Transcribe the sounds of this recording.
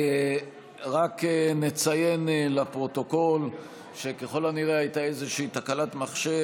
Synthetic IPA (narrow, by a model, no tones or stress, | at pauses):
ʁakenet͡saje̞nlapʁo̞t̪o̞ko̞l | ʃe̞keχo̞laniʁeajt̪aezeʃiːt̪akalatmaχʃe